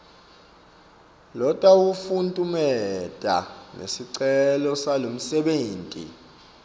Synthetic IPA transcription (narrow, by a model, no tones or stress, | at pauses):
lɔtʼawufuntʼumɛtʼa̰nʔḛsiǀɛlɔsalom̩sɛɓeːntʼḭ